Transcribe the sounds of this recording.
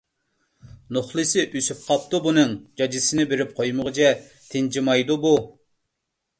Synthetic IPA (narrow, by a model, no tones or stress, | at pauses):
noχlˠɨsɪʔysyp̚qʰɑp̚t̪ubunɨŋd͡ʒɑd͡ʒɪsɪnɪbeɾɪp̚qʰojmʊʁət͡ʃʰɛ | t̪ʰɪnd͡ʒimɑjd̪ubu